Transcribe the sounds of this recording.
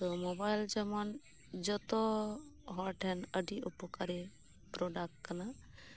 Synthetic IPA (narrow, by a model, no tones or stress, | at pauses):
t̪ɔmobajld͡ʒɛmɔn | d͡ʒɔt̪ɔɦɔɾʈʰɛnəɖiupɔkaɾɛ | pɾɔɖakʈkana